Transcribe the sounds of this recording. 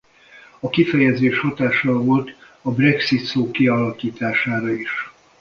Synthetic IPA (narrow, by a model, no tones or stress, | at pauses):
ɒkifɛjɛzeːʃhɒt̪aːʃɒlvo̞lt̪ | ɒbrɛksit̪soːkiɒlɒkiːt̪aːʃaːɾɒiʃ